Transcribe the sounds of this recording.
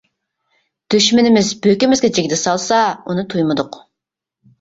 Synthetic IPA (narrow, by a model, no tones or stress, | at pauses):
d̪̥yʃmɪnɪmɪzbøkʲɪmɪzɡʲɛd͡ʒeɡʲd̪ɛsɑlˠsɑunɨt̪ʰujmɨd̪ʊq